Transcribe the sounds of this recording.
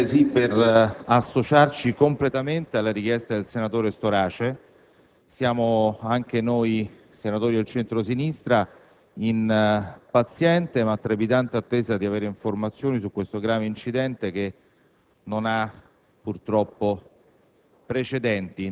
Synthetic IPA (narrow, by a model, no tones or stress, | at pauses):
sipːerasːot͡ʃart͡ʃikomplet̪ament̪ealːaɾik̟jɛst̪ad̪elsenat̪oːɾest̪oɾaːt͡ʃe | sjaːmoaŋk̟enoːj | senat̪oːɾid̪elt͡ʃɛnt̪ɾosinist̪ɾa | inpat̪sjɛnt̪emat̪ːɾabit̪ant̪at̪ːeːzad̪iaveːɾeiɱformat̪sːjoːnisukːwest̪oɡɾaːveint͡ʃid̪ɛnt̪ek̟e | nːona | purt̪ɾɔpːo | pɾet͡ʃed̪ɛnt̪i